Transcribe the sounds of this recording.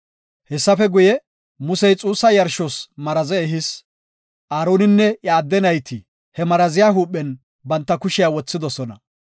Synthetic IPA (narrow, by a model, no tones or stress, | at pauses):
hɛsːɐfɛɡʊjɛ | mʊsɛjt͡sʼuːsːɐjɐɾʃosmɐɾɐzɛːɦɪs | ʔaːɾoːnɪnːɛʔaːd̪ːɛnɐjt̪ɪ | hɛmɐɾɐzɪjaːɦuːpʼːɛn | bɐnt̪ːɐkʊʃɪjaːwɔt͡sːɪd̪ɔsɔnɐ̰